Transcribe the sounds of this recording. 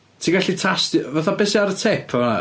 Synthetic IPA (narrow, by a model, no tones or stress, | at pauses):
tʰiːɡaɬitʰastvaθabɛsiaɾətʰɛpʰana̰